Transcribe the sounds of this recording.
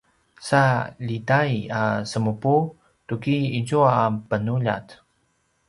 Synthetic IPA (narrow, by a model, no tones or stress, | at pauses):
salidajasəmupu | tukiːzuaːpənuʎa̰t